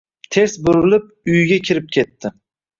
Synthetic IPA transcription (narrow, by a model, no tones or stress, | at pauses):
t̪ʰe̞sbʊɾɪlɪp̚ʊjɡʲakʲʰɪɾɪp̚kʲʰe̞t̪ʰːɪ